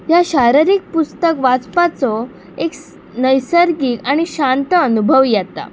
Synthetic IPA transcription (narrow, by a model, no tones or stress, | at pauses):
jaɕaɾiɾik̚pust̪əkʋat͡spat͡sɔ | ek | nəjsəɾɡiːkaɽ̃iɕant̪əənubʱəʋjat̪a̰